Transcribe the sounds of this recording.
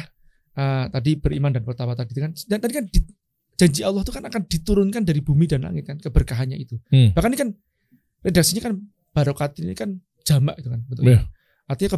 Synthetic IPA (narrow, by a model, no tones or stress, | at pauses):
ʔət̪adibəɾʔimandanpərt̪awat̪adit̪ukanat̪adikandi | d͡ʒ̥aɲd͡ʒiʔalːɔht̪ukanakand̥it̪uɾʊnkandaɾibumidanla̰ŋɪt̪̚kankəbərkaɦanɲait̪ubahkanikan | redak̚siɲakan | b̥aɾokat̪inikan | d͡ʒ̥amaʔit̪ukanbənt̪ʊa | ʔart̪iɲakə